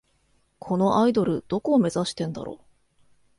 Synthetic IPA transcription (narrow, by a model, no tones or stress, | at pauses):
kʰo̞no̞ʔaid̪o̞ɾɯ̟d̪̥o̞ko̞ːme̞zaɕi̥t̪ẽnd̪a̰ɾo̰ː